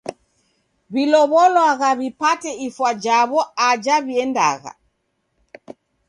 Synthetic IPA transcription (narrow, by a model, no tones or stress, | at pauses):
βilɔβɔlwaɣaβipatɛifwad͡ʒaβɔad͡ʒaβiɛnda̰ɣa̰